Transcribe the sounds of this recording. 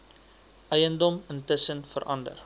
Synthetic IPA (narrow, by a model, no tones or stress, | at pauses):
ʔɛjəndɔməntəsənfəɾʔɐndə̰r